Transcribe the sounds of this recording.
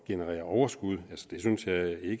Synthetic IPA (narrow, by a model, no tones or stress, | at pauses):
ɡ̥e̝nəʁɛ̰ːɐɒʊɐsɡ̥uð̞̰ˠælsɒ̥d̥e̝synsjɑ̈ɪe̝ɡ̥